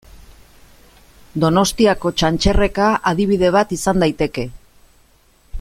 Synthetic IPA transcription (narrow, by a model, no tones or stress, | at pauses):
d̪o̞no̞st̪iako̞t͡ʃant͡ʃe̞re̞kaʔað̞iβ̞ið̞e̞β̞at̪isand̪ajt̪e̞ke̞